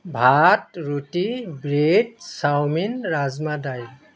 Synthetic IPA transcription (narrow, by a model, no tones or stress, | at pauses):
bʱatɹutibɹet̚sawminɹazmadaj